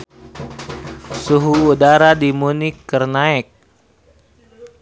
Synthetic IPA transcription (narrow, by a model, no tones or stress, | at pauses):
suɦuːdaɾadimunikːərnaɛk̚